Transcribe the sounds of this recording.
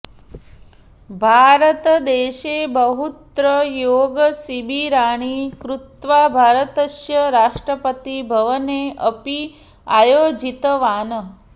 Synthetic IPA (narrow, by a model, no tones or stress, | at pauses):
bʱaːɾət̪d̪eːʃebəɦut̪ɾəjoːɡəsibʱiɾaːɽ̃ikɾut̪ʋabʱaːɾət̪əʃjəɾaːʂʈɾəpət̪ibʱəʋəneəpi | ajoːd͡ʒit̪əʋaːnə